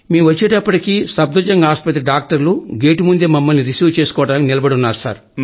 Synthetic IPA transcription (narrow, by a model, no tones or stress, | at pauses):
miːʋɐt͡ʃːeːʈɐpːɐʈikiːsɐb̚d̪ɐd͡ʒɐŋɡɐaːspɐt̪ɾiɖaːk̚ʈɐɾluɡeːʈimund̪eːmɐmːɐlniɾisjuːʋt͡ʃe̞ːsu̥kɔːɐʈaːnkinilɐbɐɽunːaːɾusa̰ːɾ